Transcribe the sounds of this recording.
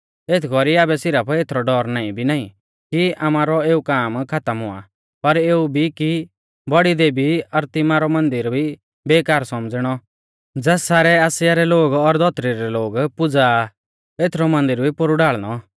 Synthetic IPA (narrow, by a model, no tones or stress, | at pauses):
eːt̪ʰkɔɾiaːbɛsɪɾapʰeːt̪ʰɾɔɖɔːɾnaːĩbʱinaːḭ̃ | kiʔamaːɾɔeːukaːmkʰat̪əmɦʊa̰ | pɐɾeːubʱiki | bɔɽid̪eːbiɐɾt̪ɪmaːɾɔmɐ̃nd̪ɪɾbʱi | beːkaːɾsɔmd͡zɽ̃ɔ | d͡zɛːssaːɾɛaːsjaɾɛloːɡɔɾd̪ʱɔt̪ɾiɾɛloːɡpʊd͡za | eːt̪ʰɾɔmɐ̃nd̪ɪɾbʱipʊɾuɖaːɭñɔ